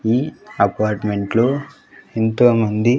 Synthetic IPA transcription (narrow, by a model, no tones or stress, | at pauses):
iːɐpaːɾʈme̞ɳʈloː | int̪oːmɐnd̪i